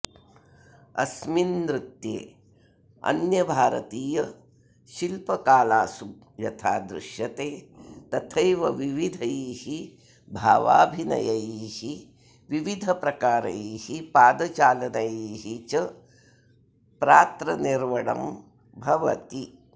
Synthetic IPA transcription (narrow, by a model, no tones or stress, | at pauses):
ɐ̰sminːɾut̪jḛː | ɐ̰njɐbʱaːɾɐ̰t̪iːjɐ | ʃilpɐkaːlaːsu | jɐt̪ʰaːd̪ɾṵʃjɐt̪eːt̪ɐt̪ʰɐjʋɐʋiʋid̪ʱɐjiːhi | bʱaːʋa̰ːbʱinɐ̰jɐjiːhi | ʋiʋid̪ʱɐpɾɐkaːɾɐ̰jiːhipaːd̪ɐt͡ʃaːlɐnɐjiːɦit͡ʃɐ | pɾaːt̪ɾɐniɾʋɐɽɐ̰m | bʱɐʋɐ̰t̪i